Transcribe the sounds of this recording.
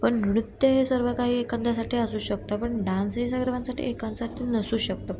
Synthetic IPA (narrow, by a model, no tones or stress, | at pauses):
pəɳnɽut̪ːjəɦesəɾʋəkaɦiːekand̪ʱasaʈʰiːəsuːɕək̚t̪apəɳɖãnsesaɡɾʋãnsaʈʰḭːekãnsaʈ̪ʰiːnəsuːɕək̚t̪o